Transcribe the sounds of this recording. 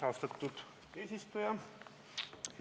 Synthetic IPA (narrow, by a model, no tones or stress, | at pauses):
ɑst̪ɑt̪ːud̪̥ | eːsist̪ujɑ